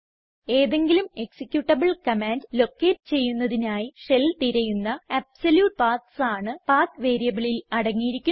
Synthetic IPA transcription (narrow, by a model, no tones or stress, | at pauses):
e̞ːðe̞ŋɡilume̞ksikʲjuʈːɐbɐɭkɐmaːndlo̞kːe̞ːʈːɨt͡ɕe̞jːunːɐðinaːjiʂe̞lt̪iɾɐjunːɐɐbsɐljuːʈ̚paːt̪saːɳɨpaːt̪ʋe̞ːɾijɐbiɭilɐɽɐŋːijiɾikʲːu